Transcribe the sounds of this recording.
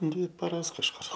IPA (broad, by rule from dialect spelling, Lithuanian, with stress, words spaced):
ˈdʲʋʲɪ pɐˈrɐs kɐʃˈkʊr